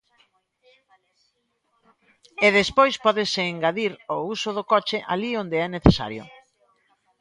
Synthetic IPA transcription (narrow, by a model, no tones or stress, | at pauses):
eðespojspɔðɪseːŋɡaðiɾousʊðokɔt͡ʃeʔa̰liond̪eɛneθesa̰ɾjo̰